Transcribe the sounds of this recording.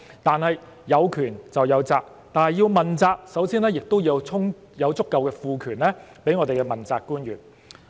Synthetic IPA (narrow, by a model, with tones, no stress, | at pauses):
t̪aː˨nhɐ˨j | jɐ˨˧wkʰyː˨˩nt͡sɐ˨wjɐ˨˧wt͡saː˧k̚ | t̪aː˨nɦɐ˨jiː˧wmɐ˨˩nt͡saː˧k̚sɐ˨˥wsiː˥nɛː˥jɪ˨k̚t̪o˥wji˨˧wt͡sʰʊ˥ŋ | jɐ˨˧wt͡sʊ˥kːɐ˨wkɛː˧fuː˧kʰyː˨˩nlɛː˥pe˨˥jŋɔː˨˧t̪e˨jkɛ˧mɐ˨nt͡saː˧kːuː˥njyː˨˩n